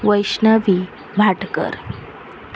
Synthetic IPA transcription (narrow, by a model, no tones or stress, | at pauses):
ʋəjɕnəʋi | ʋʱaʈkə̰ɾ